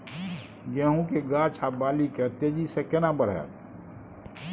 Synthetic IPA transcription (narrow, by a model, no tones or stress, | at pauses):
ɡɛːɦũkeɡaːt͡ʃʰabaːlikɛ̃t̪eːd͡ʒisekenabəɽ̤ḛ